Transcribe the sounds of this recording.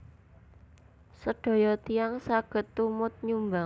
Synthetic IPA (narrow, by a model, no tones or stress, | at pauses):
səɖ̥ɔ̤jɔt̪iaŋsaɡ̥ə̤t̪ːumʊt̪̚ɲumba